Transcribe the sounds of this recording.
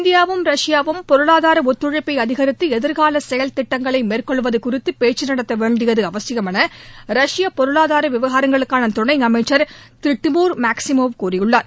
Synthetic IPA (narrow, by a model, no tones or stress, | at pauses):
nd̪ɪjaːʋɯmɾɐʂɪjaːʋɯmpɔɾɯɭaːðaːɾɐɔt̪ːɯɻɐɪpːɐɪɐðɪɣɐɾɪt̪ːɯɛðɯɾɣaːlɐsɛjɐlt̪ɪʈːɐŋɡɐɭɐɪmeːrkɔɭʋɐðɯkʊrɪt̪ːɯpeːt͡ʃːɯnɐɽɐt̪ːɐʋeːɳɖɪjɐðɯɐʋɐsɪɣɐmɐnɐɾɐʂɪjapɔɾɯɭaːðaːɾɐʋɪʋɐɣaːɾɐŋɡɐɭɯkːaːnɐt̪ʊɳɐɪŋɐmɐɪt͡ʃːɐɾt̪ɾɪʈːɯmuːɾmaːksɪmoːʋkuːrɪjɯɭːaːɾ